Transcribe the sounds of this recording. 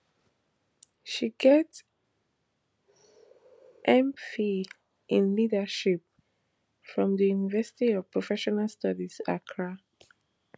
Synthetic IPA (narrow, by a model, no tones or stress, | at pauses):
ʃiɡɛt | ʔɛ̃mfi | ʔɪ̃nlidəʃip̚ | fɹɔ̃mðəjunivɛsɪ̥tiɔv̥pɹ̥ɔfɛʃɔnalˠstʌdizakʰɹa